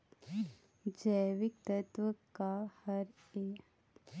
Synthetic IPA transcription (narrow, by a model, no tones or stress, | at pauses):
d͡ʒəːʋɪk̚t̪ɐt̪wəkahɐɾ | eː